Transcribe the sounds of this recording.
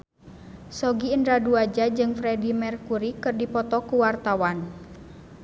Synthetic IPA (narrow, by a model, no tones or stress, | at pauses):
sɔɡiəndɾaduad͡ʒad͡ʒɨŋfɾɛdimɛrkuɾikɨrdipɔt̪ɔkuwart̪awan